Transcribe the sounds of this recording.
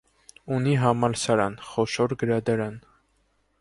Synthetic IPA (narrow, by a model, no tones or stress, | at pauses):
uniɦɑmɑlsɑɾɑnχɔʃɔɾɡəɾɑd̪ɑɾɑn